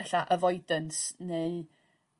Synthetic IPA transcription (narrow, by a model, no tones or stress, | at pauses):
ɛɬaʔəvɔjdənsnej